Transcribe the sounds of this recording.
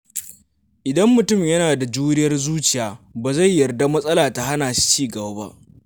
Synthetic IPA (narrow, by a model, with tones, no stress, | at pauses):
ʔɪ˨dɐ˦mːʊ˨tʊ˦˨mjɐ˦naː˨da˨d͡ʒuː˦ɾɪ˦jɐ˦rzuː˦t͡ʃɪ˨jaː˨baː˨za˦˨jːɐ˨rda˦mɐ˦sʼɐ˦laː˨ta˨ɦa˦naː˨ʃi̥˦t͡ʃiː˦ɡɐ˨ba˨˦ba̰˦ʔ